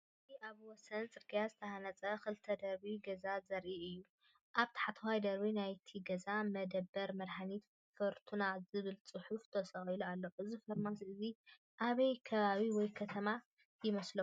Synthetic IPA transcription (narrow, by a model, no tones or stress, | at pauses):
ziʔaβwɔsɐnt͡sʼɨɾɡʰijazɨt̪ʰɐhanɐt͡sʼɐxɨlt̪ʰɐd̪ɐɾbiɡɐzazɐɾʔiɨjːu | ʔaβt̪ʰḁħat̪ʰɐwajd̪ɐɾbinajt̪ʰiɡɐzamɐd̪ɐbːɐɾmɐɾħanit̪ | fɐɾt̪ʰunazɨβɨlt͡sʼɨħuft̪ʰɐsɐχilualːo̞ʔɨzifɐɾmasɨzi | ʔaβɐjkʰɐβaβiwɔjkʰɐt̪ʰɐma | jɪmɐslɐ